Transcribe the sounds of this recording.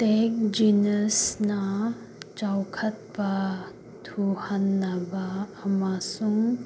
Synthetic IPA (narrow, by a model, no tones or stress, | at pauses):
tek̚d͡ʒinəsnɐ | t͡ʃawkʰɐt̚pɐ | tʰuhanːɐbaːmasuŋ